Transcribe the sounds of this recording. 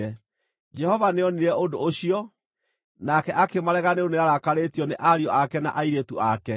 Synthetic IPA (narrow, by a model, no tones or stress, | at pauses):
ɛ | d͡ʒɛhɔvaneɔniɾɛondooɕiɔ | nakɛʔakemaɾɛɣaneoneaɾakaɾetiɔneʔaɾiɔʔakɛna̰ʔaiɾetuakɛ